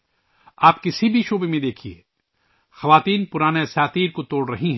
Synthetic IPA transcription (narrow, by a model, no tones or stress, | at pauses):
aːp̚kɪsibʱiʃoːbemẽd̪eːkʰiḛː | xɐʋaːt̪iːnpʊɾaːneɐsjaːt̪iːɾkot̪oːɽɾɐɦiɦɛ̃ː